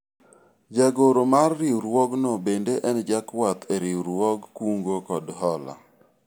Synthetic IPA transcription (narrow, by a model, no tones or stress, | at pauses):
d͡ʒaɡoɾomarːɪuɾwɔɡnɔbendeʔɛnd͡ʒakwat̪eɾɪuɾwɔɡkuŋɡokɔdɦɔla̰